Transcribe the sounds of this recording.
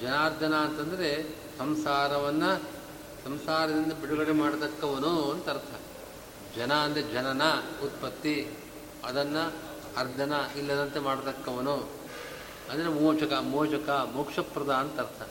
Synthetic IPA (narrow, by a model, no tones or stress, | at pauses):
d͡ʒɐnaːɾd̪ɐnɐːnt̪ɐnd̪ɐɾe | sɐmsaːɾɐʋɐnːɐ | sɐmsaːɾɐd̪ind̪ɐbiɽuɡɐɽemaːɽɐt̪ɐkːɐʋɐnuɐnt̪ɐɐɾt̪ʰɐ | d͡ʒɐnɐːnd̪ɐed͡ʒɐnɐnɐut̪̚pɐt̪ːi | ɐd̪ɐnːɐ | ɐɾd̪ʱɐnɐilːɐd̪ɐnt̪emaːɽɐt̪ɐkːɐʋɐnu | ɐnd̪ɐɾemoːt͡ʃɐkɐmɔːt͡ʃɐkɐmukʂɐpɾɐd̪aːnɐt̪ɐɾt̪ʰɐ